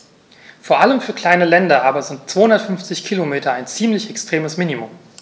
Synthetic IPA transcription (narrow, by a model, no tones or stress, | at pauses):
foːɐʔaləmfyːɐkʰl̥aɪnəlɛndɐʔaːbɐzɪnt̚t͡soːhʊndɐtfʏnft͡sɪçkʰilomeːtɐaɪnt͡siːmlɪçɛkstʁ̥eːməsminimʊm